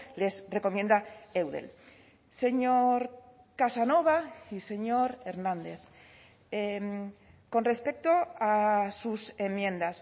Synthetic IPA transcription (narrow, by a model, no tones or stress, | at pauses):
le̞sre̞ko̞mjẽ̞nd̪aewðḛl | se̞ɲoɾ | kasano̞β̞aise̞ɲo̞ɾe̞ɾnãnd̪e̞θ | em | ko̞nre̞spe̞k̚t̪o̞asuse̞mjẽ̞nd̪as